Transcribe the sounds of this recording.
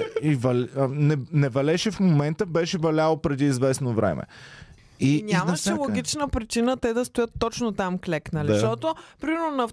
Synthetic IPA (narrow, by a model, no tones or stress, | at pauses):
ivɐlnɛnɛvɐlɛʃɛfmomɛnt̪əbɛʃɛvɐlʲalˠopɾɛd̪iːzvɛsnovɾɛ̰mʔɛ̰ | inʲamnɐʃɛlˠoɡʲit͡ʃnəpɾit͡ʃinət̪ɛd̪ɐst̪ojɤt̪ːɔt͡ʃnot̪amklɛknɐliʃʃt̪ɔt̪opɾimɛɾnonɐf